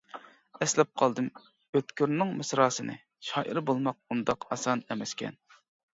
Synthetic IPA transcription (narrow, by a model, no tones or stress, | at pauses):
ɛslɛp̚qʰɑlˠd̪ɨm | øt̪kʲyɾnːɪŋmɨsɾɑːsɨnʔɨ̰ | ʃɑːʔiɾbolˠmɑq̚und̪ɑqɑsɑnɛmɛskʲʰɛ̰n